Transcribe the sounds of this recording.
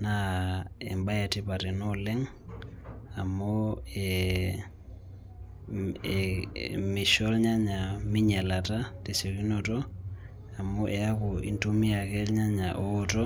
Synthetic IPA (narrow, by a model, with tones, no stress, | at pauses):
na˦ḛ˨mba˦ja˨ti˦pa˨tɛ˨no˦lɛ˦ŋ | a˨mo˦e | mi˨ʃo˦lɲa˦ɲa˨mi˦ɲa˨la˨ta˦te˨se˨ki˦noto˦ | a˨mu˦ʔe˨a˦ku˨ḭ˦ntu˦mi˦a˨ke˦lɲa˦ɲa˨ʔoː˦to˦